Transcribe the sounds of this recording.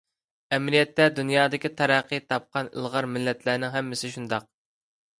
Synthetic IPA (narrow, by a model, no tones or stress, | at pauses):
ɛmlijɛt̪ːɛd̪unjɑːd̪ɪkʲit̪ʰɛɾæqːɨt̪ʰɑp̚qʰɑnɪ̰lˠʁɑɾmɪlːɛt̪ʰlæːnɪŋɦɛmːɪsɪʃund̪ɑq̚